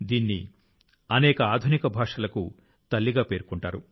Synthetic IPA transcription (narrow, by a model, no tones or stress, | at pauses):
d̪iːnːḭ | ɐnɛːkɐaːd̪ʱunikɐbʱaːʂɐlɐku | t̪ɐlːiɡaːpe̞ːɾukuɳʈaːɾu